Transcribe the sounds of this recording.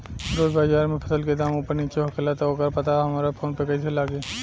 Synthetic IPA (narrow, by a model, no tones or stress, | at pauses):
ɾoːd͡ʒbaːd͡ʒaːɾmẽpʰə̥səlked̪aːmopəɾniːt͡ʃeɦokʰelat̪aoːkəɾpɐt̪aɦɐmaːɾepʰoːnpekəisʰelaːɡeː